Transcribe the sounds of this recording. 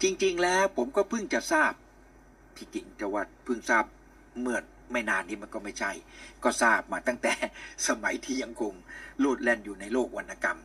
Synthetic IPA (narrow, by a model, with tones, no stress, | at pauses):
t͡ɕi˧ŋt͡ɕi˧ŋlɛː˦˥wpʰo˩˦mkɔː˥˩pʰɯ˥˩ŋt͡ɕa˨˩ʔsaː˥˩p̚ | t̪ʰiː˧˩t͡ɕi˧˩ŋt͡ɕa˧wa˨˧˩t̪̚pʰɯ˥˩ŋsaː˥˩p̚ | mɯ˥˩ən | ma˥˩jnaː˧nːiː˦˥ma˧nkɔː˥˩ma˥˩jt͡ɕʰa˥˩jkɔː˥˩saː˥˩p̚maː˧t̪a˥˩ŋt̪ɛː˨˩sa˧ma˩˦jt̪ʰiː˥˩ja˧ŋkʰo˧ŋluː˥˩t̪̚lɛ˧˩njuː˨˩na˧jloː˥˩k̚wa˧nːa˧˩ka˧m